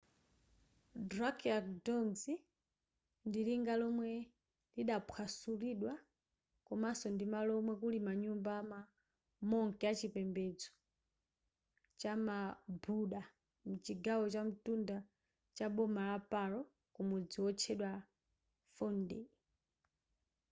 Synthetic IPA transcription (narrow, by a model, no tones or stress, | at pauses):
drakiakdɔnzi | ndiɾiŋɡalɔmwɛ | liɗapʰwasuliɗwa | kɔmasɔndimalɔmwɛkulimaɲumbama | mɔŋkɛat͡ʃipɛmbɛd͡zɔ̥ | t͡ʃamabuɗa | mut͡ʃiɡawɔt͡ʃam̩tunda | t͡ʃaɓɔmalapalɔ | kumud͡ziwɔt͡ʃʰɛɗwa | fɔndɛ